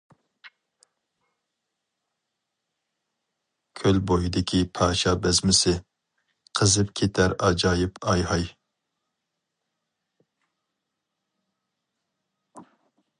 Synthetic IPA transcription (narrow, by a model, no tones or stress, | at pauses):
kʲʰølbojid̪ɪkʲʰipʰɑːʃɑbɛzmɪsɪ | qʰəzɨpkʲʰet̪ʰæɾɑd͡ʒɑːjipʰɑjɦɑj